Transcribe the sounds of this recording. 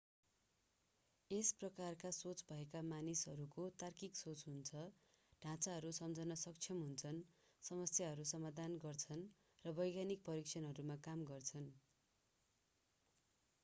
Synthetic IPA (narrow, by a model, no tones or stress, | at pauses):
esprʌkarkasot͡sbʱʌekamanisɦʌɾukot̪arkiksot͡sɦunt͡sʰʌɖʱãt͡saɦʌɾusʌmd͡zʱʌnʌsʌk̚t͡sʰjʌmɦunt͡sʰʌn | sʌmʌsjaɦʌɾusʌmad̪ʱanɡʌrt͡sʰʌn | rʌbʌjɡanik̚pʌɾik̚t͡ʃʰʌnɦʌɾumakamɡʌrt͡sʰʌn